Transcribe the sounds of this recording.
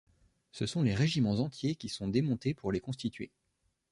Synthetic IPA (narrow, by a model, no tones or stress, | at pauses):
səsɔ̃leʁeʒimɑ̃zɑ̃t̪jekʲisɔ̃d̪emɔ̃t̪epuʁlekɔ̃st̪it̪ɥḛ